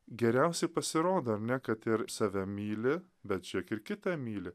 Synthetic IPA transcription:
ɡʲɛɾʲɛʊsʲɛɪpɐsʲɪɾoːd̪ɐɐɾʲnʲɛkɐt̪ɪɾsɑʋʲɛmʲiːlʲɪ | bʲɛt̪̚t͡ʃʲiɛkɪɾkʲɪt̪ɐmʲiːlʲɪ

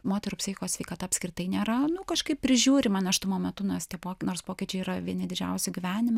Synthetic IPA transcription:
moːt̪ʲɛɾupsʲɪxʲɪkoːsʲʋʲɛɪkɑːt̪ɐɐpsʲkɾʲɪt̪ɐɪnʲeːɾɐnʊkɐʃkɐɪppʲpʲɾʲɪʒʲuːɾʲɪmɐnʲɐʃt̪ʊmoːmʲɛt̪ʊnost̪ʲiɛpoːkʲnoːrspoːkʲɪt͡ʃʲɛɪiːɾɐʋʲiɛnʲɪd̪ʲɪd͡ʒʲɛ̰ʊsʲʊɡʲɪʋʲæːnʲɪm

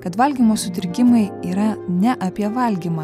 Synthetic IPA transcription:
kɐt̪ʋɐlʲɡʲiːmoːsʊt̪ʲɪɾʲɡʲɪmɐɪiːɾɐnʲɛʔɐpʲiɛʋɐlʲɡʲiːmɑː

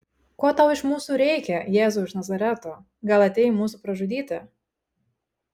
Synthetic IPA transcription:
koːt̪ɐʊɪʃmuːsuːɾʲɛɪkʲɛjeːzʊɪʃnɐzɐɾʲɛt̪o | ɡɐlˠɐt̪ʲɛɪmuːsuːpɾɐʒʊd̪ʲiːt̪ʲɪ

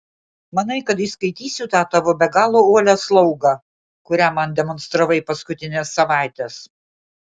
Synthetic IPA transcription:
mɐnɐɪkɐt̪ɪʃskɐɪt̪ʲiːsʲʊt̪ɑːt̪ɑʋoːbʲɛɡɑːlˠoːoɔlʲæslˠɐʊɡɑ | kʊɾʲæːmɐnd̪ʲɛmɔnst̪ɾɐʋɐɪpɐskʊt̪ʲɪnʲɛsːɐʋɑˑɪt̪ʲɛs

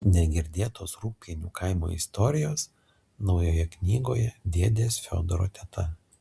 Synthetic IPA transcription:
nʲɛɡʲɪɾʲd̪ʲeːt̪oːsɾuːpʲinʲuːkʰɐˑɪmo̰ːɪ̰st̪ɔɾʲɪjoːs | nɒʊjoːjɛknʲiːɡoːjɛd̪ʲiɛd̪ʲeːsfʲo̰ːd̪oɾo̰ːt̪ʲɛt̪ʰɐ

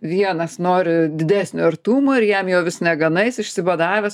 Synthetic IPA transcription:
ʋʲiɛnɐsnoːɾʲɪd̪ʲɪd̪ʲæːsʲnʲʊɐɾt̪uːmʊɪɾjɛmjɛːʋʲɪsnʲɛɡɐnɐɪsɪʃʲsʲɪʋɐd̪ɑːʋʲɛs

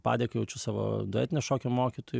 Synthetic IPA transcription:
pɑ̰ːd̪ʲeːkɐjɛʊt͡ʃʲʊsɑːʋo̰ːd̪oɛ̰ːt̪ʲɪnʲɛʃoːkʲomoːkʲit̪oj

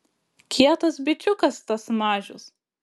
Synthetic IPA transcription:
kʲʰiɛt̪ɐsbʲɪt͡ʃʲʊkɐst̪ɐsmɑːʒʲʊ̰s

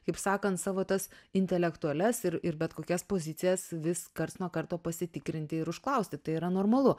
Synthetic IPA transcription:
kɐɪpsɑːkɐnt̪sɑːʋoːt̪ɐsɪnʲt̪ʲɛlʲɛkt̪ʊɐlʲɛsɪɾɪɾbʲɛt̪koːkʲɛspoːzʲɪt͡s̪ʲɪjɛsʋʲɪskɐrt̪nuɔkɐrt̪oːpɐsʲɪt̪ʲɪkɾʲɪnʲt̪ʲɪɪɾʊʃklˠɐʊsʲt̪ʲɪt̪ɐɪiːɾɐnoːrmɐlˠʊ

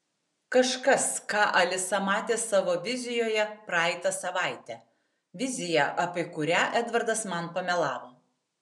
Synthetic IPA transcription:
kɐʃkɐskɑːʔɐlʲɪsɐmɑːt̪ʲeːsɑːʋoːʋʲɪzʲɪjoːjɛpɾɑɛɪt̪ɐsɐʋɑˑɪt̪ʲɛ | ʋʲɪzʲɪjɛʔɐpʲɪkʊɾʲæːʔæd̪ʋɐɾd̪ɐsmɐnpɐmʲɛlˠɑːʋoː

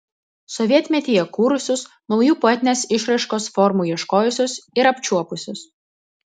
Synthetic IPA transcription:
sɔʋʲiɛt̪ʲmʲɛt̪ʲiːjɛkuːɾʊsʲʊs | nɒʊjuːpɔɛt̪ʲɪnʲeːsɪʃɾɐɪʃkoːsfɔɾmuːiɛʃkoːjʊsʲʊsɪɾɐpʲt͡ʃʲuɔpʊsʲʊs

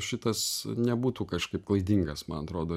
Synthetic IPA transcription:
ʃʲɪt̪ɐsnʲɛbuːt̪uːkɐʃkɐɪp̚klˠɐɪd̪ʲiŋɡɐsmɐnɐt̪ɾoːd̪oː

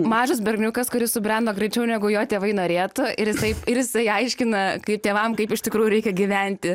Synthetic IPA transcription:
mɑːʒɐs̬bʲɛrʲɡʲnʲʊkɐskʊɾʲɪssʊbʲɾʲɛnd̪oːɡɾʲɛɪt͡ʃʲɛʊnʲɛɡʊjoːt̪ʲeːʋɐɪnoːɾʲeːt̪ʊɪɾjɪsɐɪɪɾjɪsɐɪɐɪʃʲkʲɪnɐkɐɪp̚t̪ʲeːʋɐmkɐɪpɪʃt̪ʲɪkɾuːjʊɾʲɛɪkʲɛɡʲiʋʲɛnʲt̪ʲɪ

